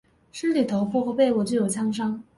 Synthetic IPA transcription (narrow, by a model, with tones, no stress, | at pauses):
ʂ̩˥ly˨˩t̪ʰo˧˥ʊfɔ˥xɔ˧˥pe˥˧ɪwɔ˨˩t͡ɕjo˥˩ʊjo˨˩t͡ɕʰɑ˥ŋʂ̬ɑ˥ŋ